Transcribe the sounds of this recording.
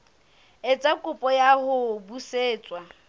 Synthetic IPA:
ɪt͡sʼakʼʊpʼɔjahʊbuseːt͡sʼwa

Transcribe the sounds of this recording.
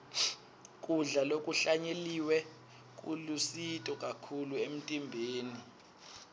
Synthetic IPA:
kʼuɮalokʼuɬaɲeliwɛ | k̬ʼṵlusitʼɔkʼakʰuluem̩tʼimbʱeːni

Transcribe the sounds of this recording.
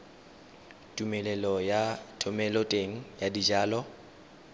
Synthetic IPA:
tʼumɛlɛlɔjatʰʊmɛlɔtʼeŋ̩jadid͡ʒaːlɔ

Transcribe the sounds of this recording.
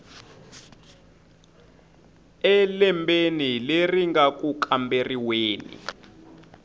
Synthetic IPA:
ɛlɛmbenileriŋɡak̬ʼukamberiweːnḭ

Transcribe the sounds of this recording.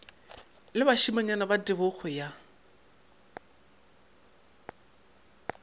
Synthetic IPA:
lɪbaʃimaɲanabadɪbʊɣʊja

